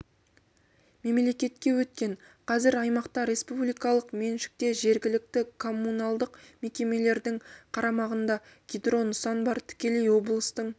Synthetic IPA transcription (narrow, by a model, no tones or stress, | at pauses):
me̞mle̞kʲe̞t̪kʲe̞wɵt̪̚kʲe̞ɴ | qʰɑzɪɾɑjmɑqt̪ɑɾe̞spublijkɑlˠəqme̞nʃɪ̥k̚t̪e̞ʒe̞ɾɡʲɪlɪk̚t̪ɪkʰo̞mːunɑlˠd̪əqme̞kʲe̞me̞le̞ɾd̪ɪŋqʰɑɾɑmɑʁənd̪ɑ | ɡʲid̪ro̞nʊsɑnbɑɾt̪ʰɪ̥kʲe̞lejwo̞blˠəst̪əɴ